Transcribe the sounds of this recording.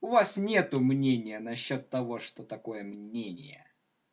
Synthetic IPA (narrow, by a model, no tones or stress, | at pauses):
ʊvasnʲe̞t̪ʊmnʲenʲɪjənɐɕːot̪ːɐvo̞ʂt̪ot̪ɐko̞jəmnʲenʲɪjə